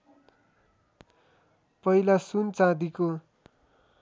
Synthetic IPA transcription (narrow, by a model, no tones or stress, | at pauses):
pʌilasunt͡sãd̪iko